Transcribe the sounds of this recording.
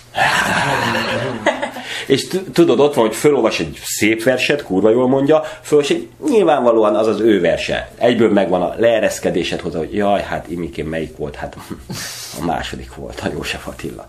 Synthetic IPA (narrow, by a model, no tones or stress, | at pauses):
eːʃt̪t̪ud̪o̞d̪o̞t̪ʋɒnhocfølolvɒʃɛɟseːpʋɛrʃɛt̪kuːrvɒjoːlmo̞ɲɟɒføloʃɛɟ | ɲilvaːɱvɒloːɒnɒzɒzøːvɛrʃɛ̰ɛɟbøːlmɛɡʋɒnɒ̰lɛːɾɛskɛd̪eːʃɛt̪ho̞zɒoɟjɒjhat̪imikeːmmɛjikʋo̞̰lt̪hat̪ | ɒ̰ma̰ːʃo̞̰d̪ikʋo̞̰lt̪ʰɒjo̰ːʃɛfɒt̪ḭlːɒ̰